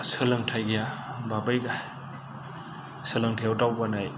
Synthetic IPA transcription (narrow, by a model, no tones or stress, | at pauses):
sɯlɐŋtʰajɡijababajɡa | sɯlɐŋtʰajwtawbanaj